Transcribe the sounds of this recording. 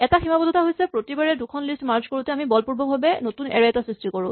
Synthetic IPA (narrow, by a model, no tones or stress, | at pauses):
ɛtaximabɔdʱɔtaɦojsɛpɹotibaɹɛdukʰɔnlistmaɹzkoɹutɛamibɔlpuɹbʱɔmbʱabɛnotunɛ̰ɹɛɛtasɹistikoɹʊ̃